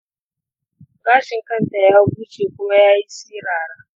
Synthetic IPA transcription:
ɡaː˦ʃɪ˨ŋkɐ˦nta˨jaː˦buː˦t͡ʃeː˨kʷʊ˦ma˦jaː˦ji˦siː˦ɾaː˨ɾaː˨

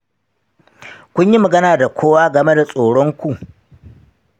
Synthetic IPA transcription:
kʷʊ˦ɲji˦mɐ˨ɡɐ˦naː˨da˨kʷʰoː˦waː˦ɡɐ˨me˦da˨sʼoː˨ɽɔ˦ŋkʷu˨ʔ

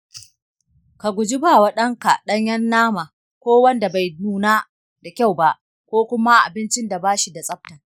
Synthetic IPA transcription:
ka˨ɡʷʊ˨d͡ʒɪ˦ba˨wa˦ɗɐ˦ŋka˨ɗɐ˦ɲjɐ˦nːaː˦ma˨ | kʷoː˦wɐ˦nda˨ba˨jnuː˦naː˦ | da˨kʲa˦˨wba˦ʔ | kʷoː˦kʷʊ˦ma˦ʔa̰˨bɪ˦nt͡ʃɪ˦nda˨baː˦ʃi˨da˨sʼɐ˦p̚ta˨

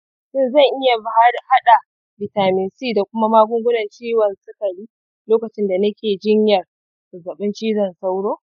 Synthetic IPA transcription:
ʃɪ˦nzɐ˦˨ŋʔɪ˦ja˨bha˦˨ha˦ɗa˨ | bɪ˨taː˨mɪ˨nsiː˦˨da˨kʷʊ˦ma˦maː˦ɡʷʊ˦ŋɡʷʊ˦nɐ˨nt͡ʃiː˦wɐ˨nsʊ˦kɐ˨liː˦ | loː˦kɐ˨t͡ʃɪ˦nda˨nɐ˦kʲeː˨d͡ʒɪ˦ɲjɐ˨r | sʊ˨zɐ˨ɓɪ˦nt͡ʃiː˦zɐ˦˨nsa˦wɽoː˦

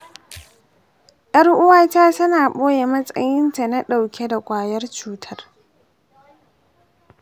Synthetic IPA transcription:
ʔɐ˦rʔʊ˦waː˦taː˦sʊ˦naː˨ɓoː˦je˨mɐ˦sʼɐ̰˦jɪ˦nta˨na˦ɗa˨wkʲe˦da˨kʷʼaː˨jɐ˦rt͡ʃuː˦tʰɐ˦r

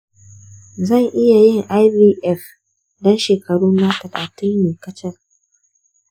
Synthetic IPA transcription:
zɐ˦˨ŋʔɪ˦ja˨jɪ˦˨ŋʔa˦jbiː˦ʔɛ˦f | dɔ˦nʃeː˨kɐ˨ɽuː˦nna˦tɐ˨laː˨tɪ˦nmeː˨kɐ˦t͡ʃɛ˦r

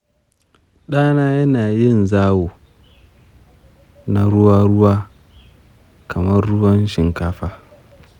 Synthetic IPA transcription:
ɗaː˦naː˦jɐ˦naː˨jɪ˦˨nzaː˦woː˨ | na˦ɽʊ˦waː˦ɽʊ˦waː˦ | kʰɐ˨mɐ˦rːʊ˦wɐ˦nʃɪ˨ŋkaː˦ɸaː˦

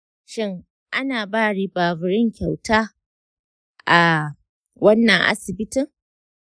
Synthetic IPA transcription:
ʃɪ˦ŋ | ʔa˦naː˨baː˦˨ɽiː˦baː˨bʊ˨ɾɪ˦ŋkʲa˨wtaː˦ | ʔa˨ | wɐ˦nːɐ˨ŋʔa̰˦sɪ˨bɪ˦tɪ˨ŋ

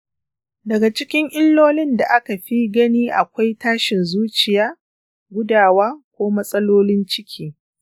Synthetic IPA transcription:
dɐ˨ɡa˨t͡ʃɪ˦kʲɪ˦ŋʔɪ˦lːoː˦lɪ˦nda˨ʔa˦ka˨ɸi˦ɡɐ˦niː˦ʔa˨kʷa˦jtaː˦ʃɪ˨nzuː˦t͡ʃɪ˨jaː˦ | ɡʷʊ˦daː˨waː˦kʷoː˦mɐ˦sʼɐ˦loː˦lɪ˦nt͡ʃɪ˦kʲʰiː˦

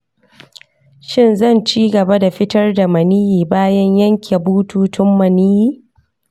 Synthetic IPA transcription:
ʃɪ˦˨nzɐ˦˨nt͡ʃiː˦ɡɐ˨ba˦da˨ɸɪ˦tɐ˦rda˨mɐ˨niː˦jiː˨baː˦jɐ˦ɲjɐ˦ŋkʲʰe˨buː˦tuː˦tʊ˦mːɐ˨niː˦jiː˦

